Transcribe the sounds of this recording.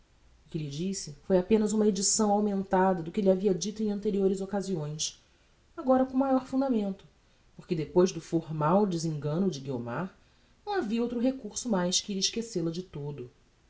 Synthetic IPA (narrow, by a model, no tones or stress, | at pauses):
ʊkɪlɪd͡ʒisɪfojapẽnɐzũmɐed͡ʒisɐ̃w̃awmẽnt̪ad̪ɐd̪ʊkɪʎɪaviɐd͡ʒit̪ʊẽj̃ɐ̃nt̪eɾioɾɪzokaziõj̃s | aɡɔɾɐkõmajɔɾfũnd̪amẽnt̪ʊ̥ | poɾkɪd̪epojzd̪ʊfoɾmawd͡ʒɪzĩŋɡɐ̃nʊd͡ʒɪɡio̰maɾ | nɐ̃w̃aviɐowt̪ɾʊɦekuɾsʊmajskɪiɾiʃkeselɐd͡ʒɪt̪od̪ʊ